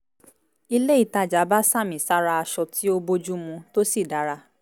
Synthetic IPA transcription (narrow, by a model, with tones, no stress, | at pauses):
i˧le˦i˦˨ta˧d͡ʒa˨˦ba˦sa˦˨mĩ˨sa˦ɾa˧a˧ʃɔ˧tʰi˨˦o˦bo˧d͡ʒu˦mũ˧to˦si˦˨da˨˦ɾa˧